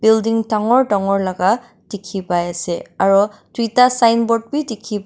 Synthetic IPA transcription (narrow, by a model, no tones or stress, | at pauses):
b̥ildiŋtaŋɔɹdaŋɔɹlaɡa | d̥ikʰipajasɛaɹɔdijtasajnbɔt̚bidikʰib